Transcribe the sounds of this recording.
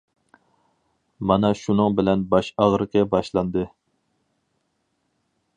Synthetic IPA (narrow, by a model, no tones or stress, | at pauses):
mɑnɑʃunɨŋbɪlɛnbɑʃɑʁɾɨqʰəbɑʃlˠɑnd̪ɨ